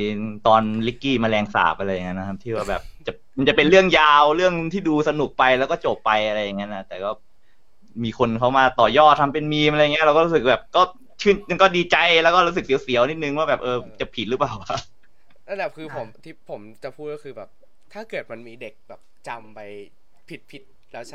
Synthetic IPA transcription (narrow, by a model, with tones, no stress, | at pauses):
t̪ɔː˧nli˦˥kːiː˥˩maː˧lɛː˧ŋsa̰ː˨˩˦p̚ʔa˧ɾa˧jːa˨˩ŋːa˦˥nːa˦˥kʰa˦˥p̚t̪ʰiː˥˩waː˥˩bɛː˨˩p̚t͡ɕa˨˩ | ma˧nt͡ɕa˨˩pe˧nɾɯ˥˩əŋjaː˧wɾɯ˥˩əŋt̪ʰiː˥˩duː˧sa˧nu˨˩k̚pa˧jlɛ˦˥wkɔː˥˩t͡ɕo˨˩pːa˧jʔa˧ɾa˧jːa˨˩ŋːa˦˥nʔa˨˩t̪ɛː˨˩kɔː˥˩ | miː˧kʰo˧nkʰa˦˥wmaː˧t̪ɔː˨˩jɔː˥˩t̪ʰːa˧mpe˧nmiː˧mʔa˧jŋi˦˥ɾa˧wkɔː˥˩u˦˥sɯ˨˩k̚bɛː˨˩p̚kɔː˥˩ | t͡ɕʰɯː˥˩nma˥˩nkɔː˥˩diː˧t͡ɕa˧jlɛː˦˥wkɔː˥ɾu˦˥sɯ˨˩ksi˩˦wsi˩˦wni˦˥t̪̚nɯ˨ŋwaː˥˩bɛː˨˩p̚ʔɤː˧t͡ɕa˨˩pʰi˨˩ɾɯ˦paː˨˩wa˨˧ʔ | lɛː˥˧˥lɛː˨˩wkʰɯː˧pʰo˩˦mt̪ʰiː˥˩pʰo˩˦mt͡ɕa˨˩pʰuː˥˩t̪̚kɔ˥˩kʰɯː˧bɛː˨˩p̚ | t̪ʰaː˥˩kɤ˨˩t̪̚ma˧nmiː˧de˨˩k̚bɛː˨˩p̚t͡ɕa˧mpa˧j | pʰi˨˦˩t̪̚pʰi˦˥t̪̚ | lɛː˦˥